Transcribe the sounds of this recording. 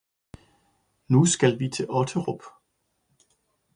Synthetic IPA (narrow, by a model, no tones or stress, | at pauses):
nusɡ̥ælʋit͡sʰe̝ɒ̽t͡sʰəʁɔb̥